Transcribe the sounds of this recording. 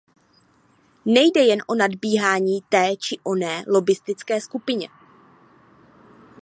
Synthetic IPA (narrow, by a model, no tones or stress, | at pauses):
nɛjdɛjɛnʔo̞nadbiːɦaːɲiːt̪ɛːt͡ʃɪʔo̞nɛːlo̞bɪst̪ɪt͡skɛːskupɪɲɛ